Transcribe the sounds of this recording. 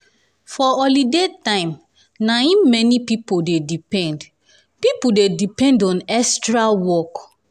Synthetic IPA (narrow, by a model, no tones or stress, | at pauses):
fɔɔlidetãɪ̃m | naĩmɛnipipodedipɛ̃nd | pipodedipɛ̃ndɔ̃nɛstɹawɔk